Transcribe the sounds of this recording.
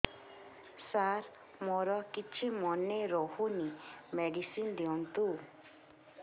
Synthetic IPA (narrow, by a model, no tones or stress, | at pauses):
saɾ | moɾɔkit͡ʃʰimɔneɾɔhunimeɖisind̪iɔnt̪u